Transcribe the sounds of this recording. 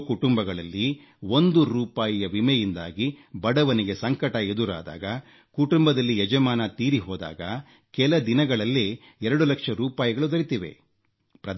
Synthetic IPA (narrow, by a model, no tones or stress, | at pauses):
kuʈumbɐɡɐɭɐlːi | wo̞nd̪uɾuːpaːjijɐʋimɛjind̪a̰ːɡibɐɽɐʋɐniɡe̞sɐŋkɐʈɐed̪uɾa̰ːd̪a̰ːɡɐ | kuʈumbɐd̪ɐlːiɛd͡ʒɐmaːnɐt̪iːɾiɦɔːd̪a̰ːɡɐ | kɛlɐd̪inɐɡɐɭɐlːe | ɛɾɐɽulɐkʂɐɾuːpaːjiɡɐɭud̪ɐɾit̪iʋḛ | pɾɐd̪